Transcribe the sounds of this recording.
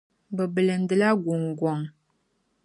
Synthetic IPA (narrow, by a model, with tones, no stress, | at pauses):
bə˨bə˨lə˨n˦də˨la˦ɡu˨ŋɡwɔ˨ŋ